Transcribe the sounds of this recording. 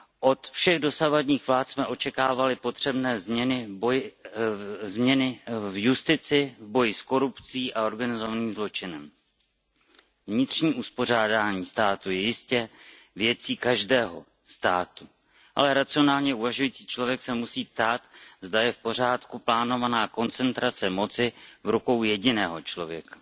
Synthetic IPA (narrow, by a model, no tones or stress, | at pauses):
ʔo̞t̪fʃɛɣdo̞savadɲiːxvlaːt̪smɛʔo̞t͡ʃɛkaːvalɪpo̞t̪r̥ɛbnɛːzmɲɛnɪboj | zmɲɛnɪvjust̪ɪt͡sɪvbo̞jɪsko̞ɾupt͡siːʔao̞ɾɡanɪzo̞vaniːmzlo̞t͡ʃɪnɛm | vɲɪt̪r̥ɲiːʔuspo̞r̝aːdaːɲiːst̪aːt̪ujɛjɪscɛ | vjɛt͡siːkaʒdɛːɦo̞̰ | st̪aːt̪u | ʔa̰lɛɾat͡sɪo̞naːlɲɛʔuvaʒujiːt͡siːt͡ʃlo̞vjɛksɛmusiːp̚t̪aːt̪zd̪ajɛfpo̞r̝aːt̪kuplaːno̞vanaːko̞nt͡sɛnt̪ɾat͡sɛmo̞t͡sɪvɾuko̞wjɛɟɪnɛːɦo̞t͡ʃlo̞vjɛkḁ